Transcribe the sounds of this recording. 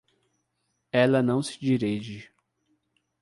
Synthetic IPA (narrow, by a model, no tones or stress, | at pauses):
ɛlɐnɐ̃w̃sɪ̥d͡ʒiɾeʒɪ